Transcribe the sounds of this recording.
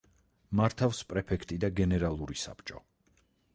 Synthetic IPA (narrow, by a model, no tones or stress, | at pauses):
maɾt̪ʰafspʼɾɛpʰɛkʰt̪ʼid̪aɡɛnɛɾalˠuɾisa̰pt͡ʃʼɔ